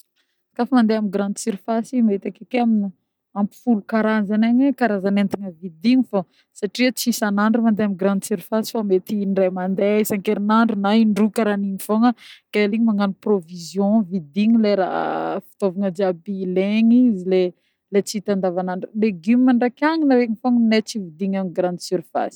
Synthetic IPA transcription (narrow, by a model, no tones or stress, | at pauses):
sḁkafəmand̪eamiɡɾãnd̪siɾifasimet̪akekeamini | ampi̥fulukaɾazanaɲekaɾazanent̪iŋəvid̪iɲifo | saʈ͡ʂiət͡sisanaɳɖ͡ʐumand̪eamiɡɾãnd̪siɾifasi̥famet̪inɖ͡ʐajmand̪eisaŋkeɾinaɳɖ͡ʐunaiɳɖ͡ʐukaɾaninifoŋəkaliɲimaŋaniprovizjõvid̪iŋileɾa̰fi̥t̪ovaŋəd͡ʒabileŋizile | let͡sit̪and̪avanaɳɖ͡ʐuleɡymimaɳɖ͡ʐakʲaŋinaɾeŋifoŋnet͡sivid̪iŋamiɡɾãnd̪syɾfa̰si̥